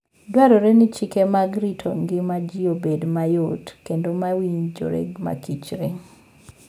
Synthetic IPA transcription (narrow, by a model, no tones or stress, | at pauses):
dwaɾoɾenɪt͡ʃikemaɡɾitʰo̰ŋɡɪmad͡ʒiobedmajotkendomawiɲd͡ʒo̰ɾḛɡma̰kit͡ʃɾe